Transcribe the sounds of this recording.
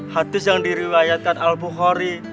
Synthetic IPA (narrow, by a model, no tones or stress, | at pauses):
had̪ɪsjaŋdiɾiwajat̪̚kanalbuχɔɾi